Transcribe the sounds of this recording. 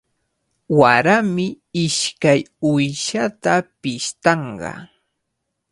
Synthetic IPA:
waɾamɪ | ɪʃkajʊjʃat̪apɪʃt̪ɑɴɢɑ̰

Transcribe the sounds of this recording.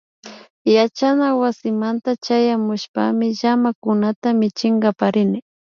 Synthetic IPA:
jat͡ʃanawasɪmant̪at͡ʃajamʊʃpa̰mɪʒamakʊnat̪amɪt͡ʃɪŋɡɑpaɾɪnɪ

